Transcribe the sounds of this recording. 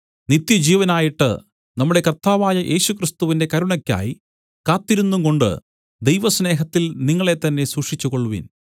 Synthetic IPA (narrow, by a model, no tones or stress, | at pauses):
nit̪ːjɐd͡ʑiːʋɐnaːjiʈːɨ̰ | nɐmːuɽe̞kɐrt̪aːʋaːjɐʔe̞ːɕukrist̪uʋinde̞kɐɾuɳɐkʲːa̰ːji | kaːt̪ːiɾunːuŋko̞ɳɖɨ̰ | d̪e̞jʋɐsne̞ːɦɐt̪ːilniŋːɐɭe̞t̪ːɐnːe̞suːkʂit͡ɕːuko̞ɭːuʋḭn